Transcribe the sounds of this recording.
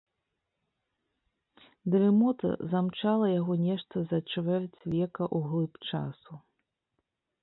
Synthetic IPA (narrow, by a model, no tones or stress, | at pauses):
d̪ɾɛmɔt̪ɐ̰zamt͡ʂalˠɐjaɣɔnʲɛʂt̪ɐzɐt͡ʂvɛrt͡sʲvʲɛkɐʔuɣlˠɨpt͡ʂa̰su